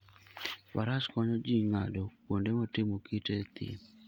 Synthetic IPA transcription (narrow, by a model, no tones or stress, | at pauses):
pa̰ɾaskɔɲɔd͡ʒiŋadɔkondemɔtɪmokitet̪ɪ̰